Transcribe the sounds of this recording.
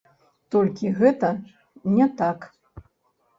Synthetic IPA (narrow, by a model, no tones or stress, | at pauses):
t̪ɔlʲkʲiɣɛt̪ɐ | nʲɛt̪ak